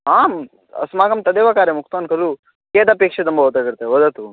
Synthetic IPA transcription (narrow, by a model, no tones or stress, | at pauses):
aːm | ɐ̰smaːɡɐmt̪ɐd̪eːʋakaːɾjɐmukʰt̪ʋɐnkɐlu | keːd̪apeːkʂet̪umbɐɦoːt̪aːɡiɾt̪eoːd̪ɐt̪u